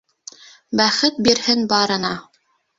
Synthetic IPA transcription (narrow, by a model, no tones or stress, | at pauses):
bæχɘt̪̚biɾhɘnbɑɾɤ̆nɑ